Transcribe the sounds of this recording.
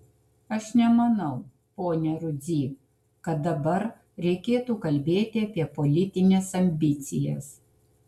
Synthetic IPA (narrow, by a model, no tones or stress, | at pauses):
ɐʃnʲɛmɐnɐʊ | poːnʲɛɾʊd̪zʲiː | kɐt̪̚d̪ɐbɐɾ | ɾʲɛɪkʲeːt̪uːkɐlʲbʲeːt̪ʲɪɐpʲiɛpɔlʲɪt̪ʲɪnʲeːsɐmʲbʲɪt̪sʲɪjɛ̰s